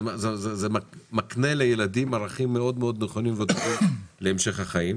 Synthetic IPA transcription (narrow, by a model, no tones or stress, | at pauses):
zezezemamaknelejelad̪imaʁaχimːeo̞d̪meo̞d̪neχo̞nimved̪oχeleːmʃe̞χhaχaim